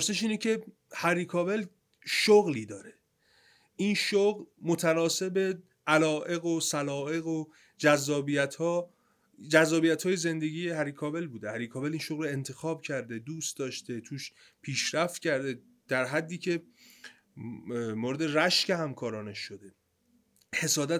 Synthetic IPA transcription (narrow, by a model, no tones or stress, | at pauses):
pʰoɾse̞ʃiːnecʰe̞ | hæɾiːkʰɒːbe̞l | ʃoɣliːd̪ɒːɾe | ʔinʃoɣlmot̪ʰænɒːse̞be | ʔælɒːʔe̞ɣosælɒːe̞ɣo | d͡ʒæzːɒːbijæt̪ʰhɒː | d͡ʒæzːɒːbijæt̪hɒːjeze̞nd̪eɟiːjeɦæɾiːkʰɒːbe̞lbuːd̪ehæɾikʰɒːbelinʃoɣlɾoe̞nt̪ʰexɒːb̥cʰæɾd̪e̞d̪uːst̪̚d̪ɒːʃt̪e̞t̪ʰuːʃ | pʰiːʃɾæft̪cʰæɾd̪e̞ | d̪̥æɾɦæd̪ːiːcʰe̞ | moːɾe̞d̪eræʃce̞hæmkʰɒːɾɒːneʃːod̪e̞ | he̞sɒːd̪æ